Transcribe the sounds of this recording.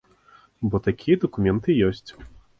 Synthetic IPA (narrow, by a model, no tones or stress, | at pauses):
bɔt̪akʲijɐd̪ɐkumʲɛnt̪ɨjɔsʲt͡sʲ